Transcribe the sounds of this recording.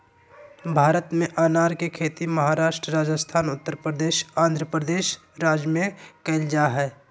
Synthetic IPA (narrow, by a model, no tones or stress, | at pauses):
bʱaːɾət̪mẽʔaːnaːɾkekʰeːt̪imɐɦaːɾaːʃʈɾəɾaːd͡ʒəst̪ʰaːnʊt̪ːəɾpɾəd̪eːʃãːnd̪ʱɾəpɾəd̪eːʃ | ɾaːd͡ʒmẽkɐɪld͡ʒaɦɛː